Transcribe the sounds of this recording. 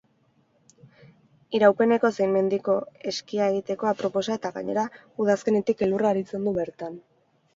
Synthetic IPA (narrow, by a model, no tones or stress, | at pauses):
iɾawpe̞ne̞ko̞sejme̞nd̪iko̞e̞skiae̞ɣ̞it̪e̞ko̞apɾo̞po̞sae̞t̪aɣa̰ɲe̞ɾa | uðaske̞ne̞t̪ike̞luraːɾit͡se̞nd̪uβe̞ɾt̪an